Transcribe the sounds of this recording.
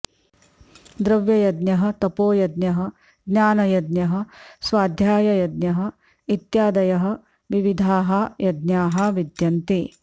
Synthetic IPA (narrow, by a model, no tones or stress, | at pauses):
d̪ɾɐʋjɐjɐd̪njɐɦɐ̆t̪ɐpoːjɐd̪njɐɦɐ | ɡɲaːnɐjɐd̪njɐɦɐ̆sʋaːd̪ʱjaːjɐjɐd̪̚njɐɦɐ̆ | it̪jaːd̪ɐjɐɦɐ̆ | ʋiʋid̪ʱaːɦɐjɐd̪njaːɦɐʋid̪jɐnt̪i